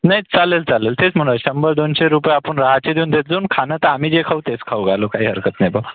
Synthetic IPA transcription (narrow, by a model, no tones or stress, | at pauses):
najt͡salelt͡salelt̪et͡sm̤əɽ̃ɕəmbəɾd̪onɕeɾupəjapəɳɾaɦat͡ɕed̪jeuːnd̪et̪̚d͡zoːnkʰanət̪aamiːd͡zekʰaut̪et͡skʰawɡʱalokaɦiːɦəɾkət̪najbʱə